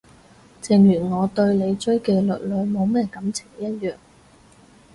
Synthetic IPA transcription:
t͡sɪ˨˧ŋjyː˨˩nŋɔː˨˧t̪ɵ˧ɥle˨˧jt͡ʃɵ˥ɥkɛː˧lɵ̰˨t̚lɵ˨˧ɥmo˨˧wmɛː˥kɐ˨˥mt͡sʰɪ˨˩ŋjɐ˥t̚jœː˨ŋ

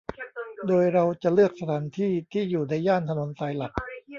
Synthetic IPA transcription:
doː˧jɾa˧wt͡ɕa˨˩ʔlɯ˥˩ək̚sa˧t̪ʰaː˩˦nt̪ʰiː˥˩t̪ʰiː˥˩juː˨˩na˧jːaː˥˩nt̪ʰa˧no˧˦nsaː˧jla˨˩k̚

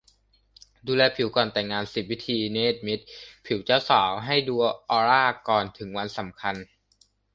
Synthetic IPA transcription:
duː˧lɛː˧pʰi˨˩˦wkɔː˨˩nt̪ɛ˨˩ŋːaː˧nsi˨˩p̚wi˦˥t̪ʰiː˧neː˦˥˩t̪̚mi˦˥t̪̚pʰi˨˩˦wt͡ɕaː˥˩wsaː˩˦wɦa˥˩jduː˧ɐʔɔː˧ɾaː˥˩kɔː˨˩nt̪ʰɯ˩˦ŋwa˧nsa˩˦mkʰa˧n

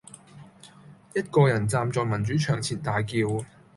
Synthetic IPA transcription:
jɐ˥t̚kɔː˧jɐ˨˩nt͡saː˧mt͡sɔː˧jmɐ˨˩nt͡syː˨˥t͡ʃʰœː˨˩ŋt͡sʰiː˨˩nt̪aː˨jkiː˧w

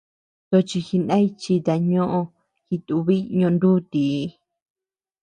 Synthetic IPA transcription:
t̪o˧t͡ʃi˧xi˧nã˦i˧t͡ʃi˧t̪a˧ɲõ˦ʔõ˧ | xi˧t̪u˧βi˦ɲõ˧nd̪u˦t̪i˨˧˦

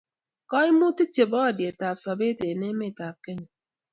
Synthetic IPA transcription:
kɔ˦i˦mu˦ti˦t͡ʃe˨bɔ˦a˨dje˨ta˨p̚sa˨be˦te˨ne˦me˦˨ta˨p̚ke˦ɲ˨

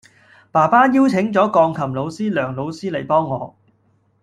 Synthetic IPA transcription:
paː˨˩paː˥jiː˥wt͡sʰɪ˨˥ŋt͡sɔː˨˥kɔː˧ŋkʰɐ˨˩mlo˨˧wsiː˥lœː˨˩ŋlo˨˧wsiː˥le˨˩jpɔː˥ŋːɔː˨˧

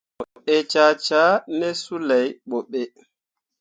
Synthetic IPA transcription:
mɔ˨ʔɛ˦t͡ʃa˦t͡ʃaː˦nɛ˦su˦la˨jɓɔ˨ɓːɛ˦

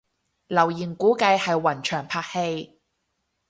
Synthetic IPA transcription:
lɐ˨˩wjiː˨˩nkuː˨˥kɐ˧jhɐ˨jwɐ˨˩nt͡ʃʰœː˨˩ŋpʰaː˧k̚he˧j

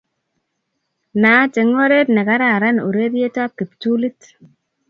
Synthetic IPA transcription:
na˨˦te˨ŋo˦ɾe˦tnɛ˨ka˦ɾa˨ɾa˦no˨ɾe˦ɾje˦ta˦pi˨ptu˦li˦t

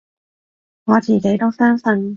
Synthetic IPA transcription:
ŋɔː˨˧t͡siː˨˩ke˨˥jt̪o˥wsœː˥ŋsə˧n

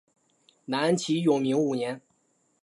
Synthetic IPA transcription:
na˧˥nə˧˥nt͡ɕʰi˧˥jo˨˩ŋmi˧˥ŋu˨˩njɛ˧˥n

